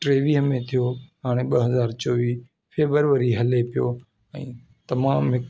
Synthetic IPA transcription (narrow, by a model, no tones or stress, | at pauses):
ʈɾeːʋiɦəmẽt̪ʰijoɦaːɽ̃eɓɐɦɐzaːɾt͡ɕoːʋiː | feːbəɾʋəɾiɦɐlepijo | ɛ̃ː | t̪ɐmaːmɦɪk